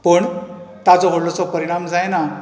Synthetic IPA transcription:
pəɳ | t̪at͡sɔɦoɽlɔt͡sɔpəɾiɽ̃amd͡zajna

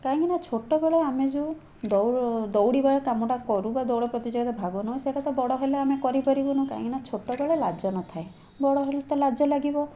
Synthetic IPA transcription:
kaɦĩŋkinat͡ʃʰoʈɔbeɭeamed͡ʒũ | d̪ɔwd̪ɔwɽibeɭɔkamɔʈakɔɾubad̪ɔwɽɔpɾɔt̪id͡ʒɔɡd̪ɔbʱaɡɔnɔseʈat̪ɔbɔɽɔɦeleamekɔɾipaɾibɔnuka̰ɦĩkinat͡ʃʰoʈɔbeɭelad͡ʒɔnɔt̪ʰae | bɔɽɔɦelet̪ɔlad͡ʒɔlaɡibɔ

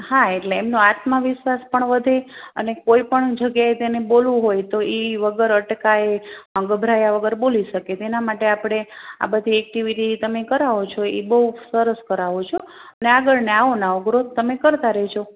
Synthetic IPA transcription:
haeʈleːmnoat̪məʋɪʃʋaspəɳʋəd̪ʱeə̰nekoipəɳd͡ʒəɡjaet̪enebolʋũɦojt̪oeʋəɡəɾəʈkaeə̃ŋɡbʱɾajaʋəɡəɾboliʃəket̪enamaʈeapɽ̃ea̰bəd̪ʱiɛk̚ʈiʋiʈit̪əmekəɾaʋot͡ʃʰoḛbəɦusəɾəskəɾaʋot͡ʃʰo | əneaɡəɭneaʋonauɡɾot̪əmekəɾt̪aɾəɦt͡ʃʰo

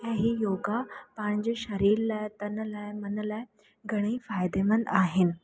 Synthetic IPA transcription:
jaɦijoɡapãɲd͡ʑɕəɾiːɾlajt̪ənəlajmənəlaj | ɡʱəɽ̃iːfajd̪emənd̪aɦen

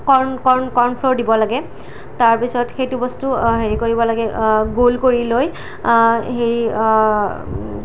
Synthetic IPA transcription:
kɔɹnkɔɹnkɔɹnpʰloɹdibɔlaɡɛ | taɹpisɔtxejtʊbɔstʊɦeɹikoɹibɔlaɡɛɡolkoɹiloj | ɦeɹi

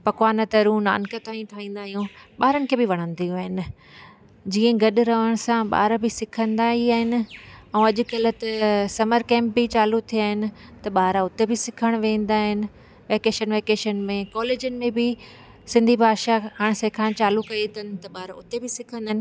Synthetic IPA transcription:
pɐkwaːnət̪ɐɾũna̰ːnkət̪aːĩʈʰaːĩːn̆d̪aːɦijũɓaːɾənɪ̆kʰeːbɪʋɐɽ̃ə̃nd̪ijũaːɦɪnɪ̆ | d͡ʑiːə̃ɡɐɗɾɐʋəɽ̃sãɓa̰ːɾbɪsɪkʰə̃nd̪aiaːɦɪnɪ̆ɛ̃ːɐʄʊ̆kɐlt̪ɐsɐməɾkɛ̃ːmp̚bɪt͡ɕaːlut̪ʰijaːɦɪnɪ̆t̪ɐɓaːɾaʊt̪ebɪsɪkʰəɽ̃ʋẽːn̆d̪aːɦɪnɪ̆ | ʋeːkeːʃənʋeːkeːʃənmẽkɔːleːd͡ʑənɪ̆mẽbɪ | sɪ̃nd̪ʱibʱaːʃakʰaːɽ̃sekʰãːt͡ɕaːlukɐit̪ʰɐnɪ̆t̪ɐɓaːɾaʊt̪ebɪsɪkʰə̃nd̪aːɦɪnɪ

